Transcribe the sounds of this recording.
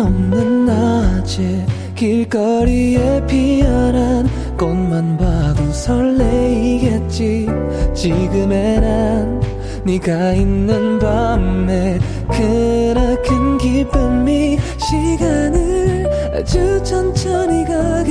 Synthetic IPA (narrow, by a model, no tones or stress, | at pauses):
ʌmnɯnːat͡ɕʰe | kiɭk͈ʌɾiepijʌɾan | konmanbaɡosʰʌɭːeiɡet̚t͡ɕ͈i | t͡ɕiɡɯmeɾanː | iɡainːɯnbamme̞ | kʰɯɾʌkʰɯnɡip͈ɯmːi | ɕʰiɡanɯ | t͡ɕut͡ɕʰʌnt͡ɕʰʌniɡa